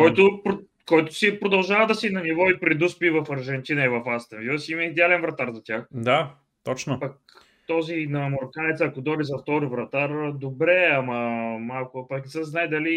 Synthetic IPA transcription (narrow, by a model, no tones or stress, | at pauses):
kɔjt̪opɾ | kɔjt̪ʊ̥sipɾod̪ɐlˠʒavɐd̪ɐsinɐnivɔipɾɛd̪uspivɐfɐɾʒɛnt̪ʲinɐivɐfast̪ɛnviɐsimɐid̪ɛalɛnvɾɐt̪aɾzɐt̪ʲjaxd̪a | t̪ɔt͡ʃnopɐk̚ | t̪ɔzinɐmoɾkanɛt̪sːkod̪ɔɾizɐft̪ɔɾivɾɐt̪aɾd̪obɾɛɐmɐmalˠkʊpɐknɛsɛznajd̪ɐli